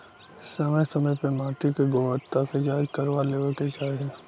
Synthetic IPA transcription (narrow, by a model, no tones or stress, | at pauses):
səməjsəməjpəmaːʈ̪ikeɡoːʋət̪ːaked͡ʒaːd͡ʒkəɾʋaleːʋəked͡ʒaːie